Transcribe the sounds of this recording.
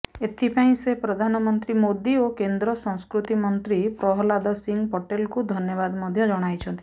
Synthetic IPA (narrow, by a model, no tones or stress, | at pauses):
et̪ʰipaĩsepɾɔd̪ʱanɔmɔnt̪ɾimod̪iokend̪ɾɔsɔ̃ŋ̃skɾut̪imɔnt̪ɾipɾɔɦɔlad̪ɔsiŋɡpɔʈelkud̪ʱɔnjɔβad̪mɔd̪ʱjɔd͡ʒɔɽ̃ajt͡ʃʰɔnt̪i̥